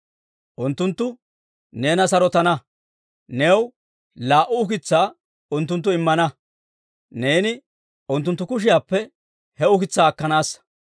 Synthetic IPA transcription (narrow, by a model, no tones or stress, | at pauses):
ʔʊnt̪ːʊnt̪ːʊ | ne̞ːnɐsɐɾɔt̪ɐnɐ | neːw | laːʔʊʊkɪt͡sːaː | ʊnt̪ːʊnt̪̬ːʊɪmːɐnɐ | neːnɪ | ʊnt̪ːʊnt̪ːʊkʊʃ̬ɪjaːpːɛ | hɛʊkɪt͡sːaːkːɐnaːs